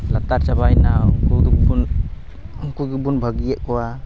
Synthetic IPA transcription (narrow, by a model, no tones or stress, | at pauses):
lat̪aɾsabajnawkudukbun | ŋkuɡubunbʱaɡijeʔ̚kɔwa